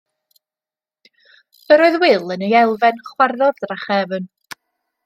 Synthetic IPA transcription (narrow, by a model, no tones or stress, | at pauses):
əɾoɨðwɪlˠənejɛlˠvɛnχwarðɔðdraχɛvən